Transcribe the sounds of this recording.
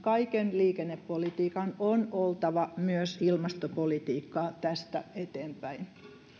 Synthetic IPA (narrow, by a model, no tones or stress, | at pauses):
kɑikenliːkenːepːolit̪iːkɑnonolt̪ɑʋɑmyøsilmɑst̪opolit̪iːkːɑːt̪æst̪æ̰et̪eːmpæin